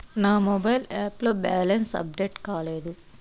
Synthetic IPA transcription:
naːmɔbɐjlaːplo̞ːbaːlɐnsɐ̰b̚ɖeːʈkaːle̞ːd̪u

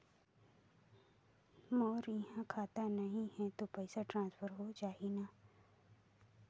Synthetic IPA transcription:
mɔːɾjɐɦãkʰaːt̪anɐɦĩhɛt̪opɛɪsaʈɾãːnsfʰəɾɦot͡ʃaːina

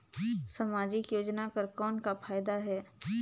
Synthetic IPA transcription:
sɐmaːd͡ʒɪkjoːd͡ʒnakəɾkɔːnkapʰaːjd̪aɦɛː

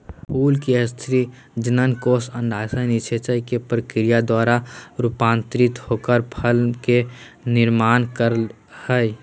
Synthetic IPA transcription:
uːlkiəst̪ʰɾi | d͡ʒənənkoːsə̃nɖ̪ʱaːsənit͡ʃʰet͡ʃəjkepɾəkɾijad̪waːɾaɾupãːnt̪ɾɪt̪hoːkəɾpʰəlkenɪɾmaːnkəɾ | həj

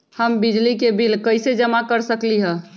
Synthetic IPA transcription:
həmbid͡ʒlikebʱilkəɪsed͡ʒəmakəɾsəkliɦɛ̃

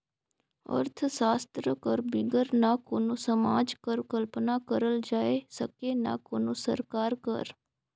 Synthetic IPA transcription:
ə̰ɾt̪ʰsaːst̪ɾəkəɾbɪɡəɾnakoːnoːsəmaːd͡ʒkəɾkəlpnaːkəɾəld͡ʒaːesəkena̰ːkoːnõːsə̰ɾkaːɾkə̰ɾ

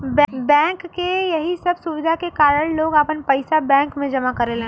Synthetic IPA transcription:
bɛ̃bɛ̃ːŋkːejɐɦisɐbsʊʋɪd̪ʱakekaːɾəɽ̃loːɡaːpənpɐɪsabɛ̃ːŋkmẽd͡ʒɐmakɐɾelẽ

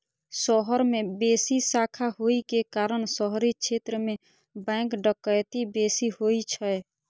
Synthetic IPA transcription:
sɔɦəɾmebesisakʰaɦoikekaɾəɳsɔɦɾikʃʰet̪ɾəme | bɛ̃ːkɖəkːəjt̪ibesihoit͡ʃʰɛ

